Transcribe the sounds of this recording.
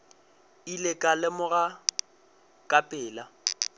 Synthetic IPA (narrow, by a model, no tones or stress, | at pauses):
ilɪkʼalɪmʊɣa | kʼapʼɪːla